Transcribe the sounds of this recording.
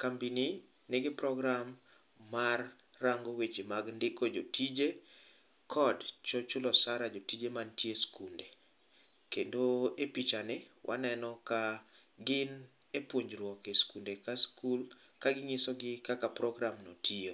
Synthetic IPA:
kambini | nɪɡɪpɾɔɡɾamː | arː | aŋɡowet͡ʃimaɡndɪkod͡ʒotʰid͡ʒe | kʰɔdt͡ʃɔt͡ʃʊlɔsaɾad͡ʒotid͡ʒemantjeskunde | kendoepit͡ʃanɪwʔa̰nɛnɔka | ɡɪn | epwoɲd͡ʒɾwɔkeskundekaskul | kaɡɪŋɪsɔɡɪkakapɾɔɡɾamnotʰio

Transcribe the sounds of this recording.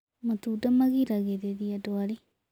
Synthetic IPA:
matudamaɣiɾaɣeðeðiadwaɾe

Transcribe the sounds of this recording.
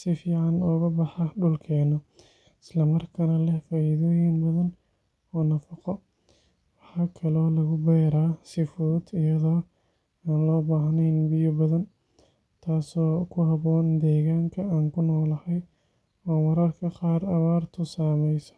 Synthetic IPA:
sɪfiːʕɑnɔːɣɐbɑħɑɖʊlkʰɛːnɔ | ɪslɐmɐrkʰɐnɐlɛhfaːiðɔːjɪnbɐðɐn | ɔːnɐfɑqɔ | wɑħɑːkʰɐlɔːlɐɣʊbɛːɾaːsɪfɔːd̪ɪjɐðɔː | aːnlɔːbaːɦnɛjnbɪjɔbɐðɐn | t̪ʰaːsɔːkʰʊɦɐβɔːnd̪ɛːɣaːŋkʰɐaːŋkʰʊnɔːlɐhɛj | ɔːnwɑɾɐrkʰɐqɑːɾɐβaːrt̪ʰʊsaːmɛjsɔ̥

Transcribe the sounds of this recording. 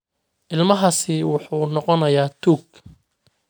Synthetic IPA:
ʔɪlmɐɦɐsɪwɑħuːnɔqɔnɐjaːt̪ʰuːɡ

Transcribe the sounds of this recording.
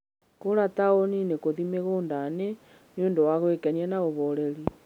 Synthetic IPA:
koɾataoninekoðimeɣoːndane | njondowaɣwekanianaɣoβoɾeɾi

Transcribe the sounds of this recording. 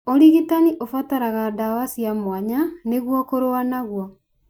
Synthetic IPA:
oɾiɣitaniʔofataɾaɣadawasiamwaɲaneɣwɔkoɾoanaɣwa

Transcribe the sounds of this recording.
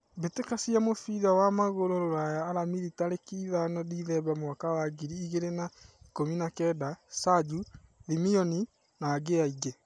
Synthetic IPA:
betekasiamofiðawamaɣoɾoɾoɾajaːɾamiɾitaɾekiːðanɔdiðɛbamwakawaɡiɾiːɣeɾenai̥kominakɛdasad͡ʒuðimiɔni | naːɡeaiɡe

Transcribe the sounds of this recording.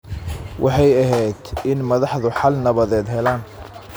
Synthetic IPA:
wʔɑ̰ħɑjɐɦɛjd̪ɪnmɐðɑħðʊħɑlnɐβɐðɛːd̪ɦɛlaːn

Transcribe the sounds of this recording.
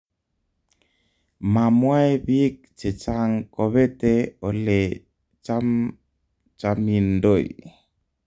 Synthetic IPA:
mamwajbik̚t͡ʃet͡ʃaŋkoβet̪eole | t͡ʃam | t͡ʃamindoḭ

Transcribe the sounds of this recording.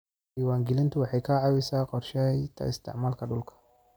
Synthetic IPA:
ʔiːwaːŋɡɪlɪnt̪ʰʊwɑħɑjkʰaʕɑwɪsaːqɔrʃɛjt̪ʰɐ̰ɪst̪ʰɪ̰ʕmaːlkʰɐɗʊlkʰɐ̥

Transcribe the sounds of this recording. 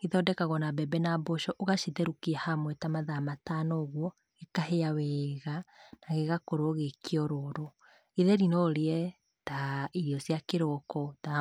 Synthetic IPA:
iðɔdɛkaɣɔnabɛbɛnaboʃɔʔoɣaʃiðɛɾukiahamwɛtamaðamatanoɣwɔ | ɣekaɦeaweːɣanaɣeɣakoɾoɔɣekiɔɾɔɾo | iðɛɾinoɾeɛ | taiɾjɔsjakeɾɔkɔða

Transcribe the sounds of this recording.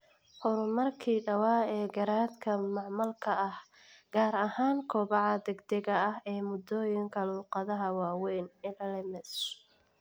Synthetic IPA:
ħʊɾʊmɐrkʰiːɖɐwɑːɛːɡɐɾaːd̪kʰɐmɑʕmɐlkʰɐɐh | ɡ̥aːɾɐhaːŋkʰɔːβɑʕɑd̪ɛɡd̪ɛɣɐɐɦɛːmʊd̪ɔːjɪŋkʰɐluːqɑðɐɦɐwɑːwɛːnɪlɐlɛmɛs

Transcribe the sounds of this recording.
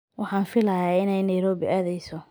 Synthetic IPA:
wʔɑħɑːnfɪlɐjaːɪnɛjnɐjɾɔːβɪʔaːðɛjsɔ

